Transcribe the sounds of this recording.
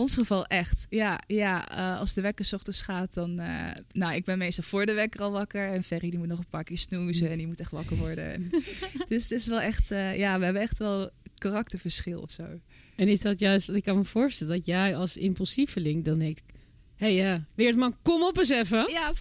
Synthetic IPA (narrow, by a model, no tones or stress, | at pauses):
ɔnsχəvɑlˠʔɛxtjajaəɑ̰lˠsdəʋɛkəsɔχtəsχaːt̚dɔn̰nowɪɡ̚bɛnmejstɑlˠfʊːɹdəʋɛkərɑlˠʋɑkəɹɛnfɛridimutnɔχənpaːɹkɪːɹsnuːzəɛndiəmutɛxtʋɑkəɹʋɔɹdə̰ɛ̰nd̥østɪsʋɛlˠɛxtjaːʋəɦɛbənɛxtʋɛlˠkarɑktəɹfəɹsχɪlˠɔ̰fso̰w | ɛnɪsdɔtjœɥstɪkːɑnməfʊːɹstɛlədɔtjɛjɑlˠsɪmpylˠsifəlɪŋk̚dɔndɛŋktɪk | hejjaʋɪəɹtmakomɔpəs̬ɛfəja